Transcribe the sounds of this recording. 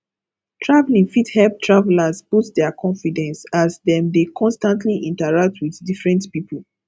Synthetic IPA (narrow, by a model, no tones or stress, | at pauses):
tʰɹavlĩŋfithɛlp̚tʰɹavɛlazbutdɛakʰɔ̃nfidɛ̃nsazðɛ̃mdekʰɔ̃nstãntʰliʔĩntaɹak̚tʰwiðdifɹɛ̃ntpipʰəl